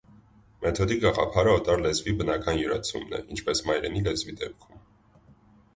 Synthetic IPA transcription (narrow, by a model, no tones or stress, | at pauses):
mɛt̪ʰɔd̪iɡɑʁɑ̰pʰɑɾəɔt̪ʼɑɾlɛzvibənɑkɑnjuɾɑt͡sʰṵmnɛ̰ʔint͡ʃʰpɛsmɑjɾɛnilɛzvid̪ɛp̚kʰum